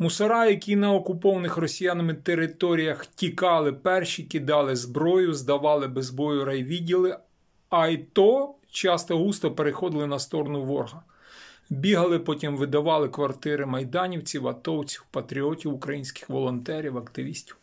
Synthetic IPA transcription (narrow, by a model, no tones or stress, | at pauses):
mʊsɐɾɑjɐkʲinɐɔkʊpɔʋɐnɪxrɔsʲijanɔmɪt̪eɾɪt̪ɔɾʲijɐxtʲikɑlˠɪpɛrʃikɪd̪ɑlˠɪzbɾɔjʊzd̪ɐʋɑlˠɪbezbɔjʊɾɐjʋʲidʲilˠɪ | ɐjt̪ɔ | t͡ʃɑst̪ɔɦust̪ɔpeɾɪxɔd̪ɪlˠɪnɐst̪ɔɾɔnʊʋɔrɦɐ | bʲiɦɐlˠɪpɔtʲimʋɪd̪ɐʋɑlˠɪkʋɐrt̪ɪɾɪmɐjd̪ɑnʲiwt͡sʲiwɐt̪ɔwt͡sʲiwpɐt̪ɾʲiɔtʲiwʊkɾɐjinʲsʲkɪ̥xʋɔlˠɔnt̪ɛɾʲiwɐkt̪ɪʋʲisʲtʲiw